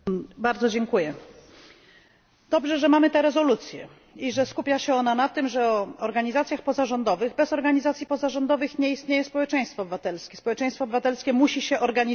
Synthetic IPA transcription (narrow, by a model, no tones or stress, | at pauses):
baɾd̪zɔd͡ʑɛŋkujɛ | d̪̥ɔbʐɛʐɛmamɘt̪ɛɾɛzɔlut̪sʲjɛ̰ | iʐɛskupʲjaɕɛɔnanat̪ɘmʐɛɔɔɾɡaɲizat̪sʲjaxpɔzaʐɔnd̪ɔvɘɣbɛzɔɾɡaɲizat̪sʲipɔzaʐɔnd̪ɔvɘxɲɛist̪ɲejɛspɔwɛt͡ʂɛ̃j̃st̪fɔːbɘvat̪ɛlskʲɛspɔwɛt͡ʂɛ̃j̃st̪fɔːbɘvat̪ɛlskʲɛmuɕiɕɛʔɔɾɡaɲi